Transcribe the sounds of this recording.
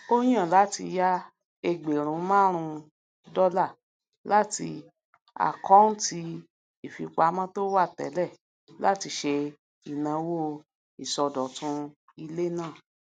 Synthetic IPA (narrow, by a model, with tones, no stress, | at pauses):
o˦j̃ã˦˨la˨˦tḭ˧ja˦ | e˧ɡ͡be˨ɾ̃ũ˨˦mãː˦ɾ̃ũ˧ | dɔ˦la˦˨ | la˦ti˧ | a̰˨kɔ̃˨˦n̩˦ti˧ | i˨fi˧k͡pa˧˦mã˦to˦wa˦˨tɛ̰˨˦lɛ˦˨ | la̰˦ti˧ʃe˧ | i˨nã˨˧˦wo˦ | i˨sɔ˧dɔ˨tũ˧ | i˧le˦nãː˦˨